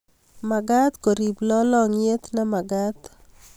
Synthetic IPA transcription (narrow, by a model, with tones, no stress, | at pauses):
ma˨ɡat̪ko˨ɾi˨blɔ˦lɔ˦ŋe˦t̪na˦ma˨ɡat̪